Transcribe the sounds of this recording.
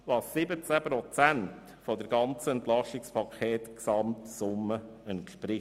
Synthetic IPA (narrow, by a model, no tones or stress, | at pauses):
ʋɑsɪbət͡sæpɾɔt͡sænt | fɔdəɾɡɑnt͡səɛnt̪lɑʃɪkspʰɑkʰχeːtksɑmtsʊmːəɛntʃpɾɪ